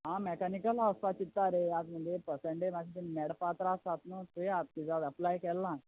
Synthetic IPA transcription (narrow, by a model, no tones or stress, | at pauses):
ɦãmɛkanikəlaʋspat͡ɕit̪ːaɾejat̪məd̪ʱjepəseɳʈemakʰit̪emɛɽpat̪ɾasat̪nət̪eat̪̚kid͡zad̪əplajkɛlːã